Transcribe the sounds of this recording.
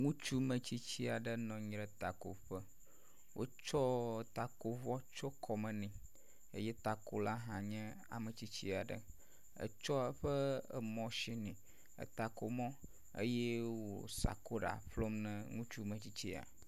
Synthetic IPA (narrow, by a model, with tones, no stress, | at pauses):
ŋũ˦t͡ʃu˦mə̃˨t͡ɕi˦t͡ɕi˦a˨ɖə˦nɔ̃˨ɲ˨ɾə˨t̪a˨ko˨ɸə˦ | wʔo̰˦t͡ʃɔ˦˨t̪a˨ko˨vɔ˦t͡ʃo˦kʰɔ˨mə̃˨nĩ˨ | ə˦jɛ˦t̪a˨ko˨la˦ɦã˨ɲɛ̃˦ | a̰˨mə˨t͡ɕi˦t͡ɕi˦a˨ɖə̰˨ | ə̰˨t͡ʃɔ˦ə˦ɸə˦ə˨mɔ̃˨ʃi˦nĩ˨ | ə̰˨t̪a˨ko˨mɔ̃˦ | ə̰˦jɛ˦wo˨sa̰˨ko˦ɖa̰˨ɸlo˦mnɛ̃˦ŋũ˦t͡ʃu˦mə̃˨t͡ɕi˦t͡ɕi˦a̰˨